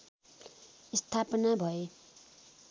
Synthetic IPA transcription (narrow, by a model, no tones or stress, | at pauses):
ist̪ʰapʌnabʱʌe